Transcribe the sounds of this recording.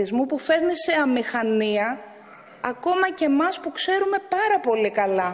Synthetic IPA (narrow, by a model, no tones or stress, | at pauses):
izmupufe̞ɾnise̞ɐmixɐniɐː | ko̞mɐce̞mɐspukse̞ɾume̞pɐɾɐpo̞likɐlɐ